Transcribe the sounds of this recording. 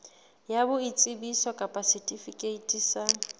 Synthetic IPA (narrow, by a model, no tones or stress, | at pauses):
jabʊit͡sʼɪbisɔkʼapʼasitʼifikʼeitʼiːsa